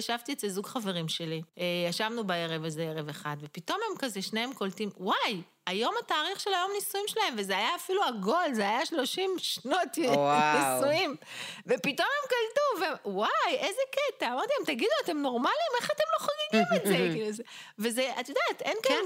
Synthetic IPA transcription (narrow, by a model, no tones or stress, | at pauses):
jaʃavt̪iett͡sezuɡχave̞ʁimʃe̞liejaʃavnubaeʁevezeeʁeveχad̪vepito̞me̞mkazeʃneemko̞ltimwaj | ajo̞mataːʁiχʃelajo̞mnisuimʃelae̞mvezeajaːfiluaɡo̞lzeajaʃlo̞ʃimʃno̞tnisuimvepito̞me̞mkaltuvewajezeket̪aːmaʁt̪iimt̪aɡid̪uate̞mno̞ʁmalimeχate̞mlo̞χaɡiɡimetzekizevezeat̪jod̪atenka